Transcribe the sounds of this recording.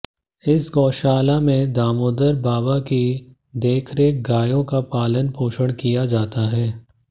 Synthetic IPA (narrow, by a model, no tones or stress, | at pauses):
ɪsɡɔːʃaːlamẽd̪aːmoːd̪əɾbaːʋaki | d̪eːkʰɾeɡaːjõkapaːlənpoːʃəɽ̃kijad͡ʒaːt̪aɦɛː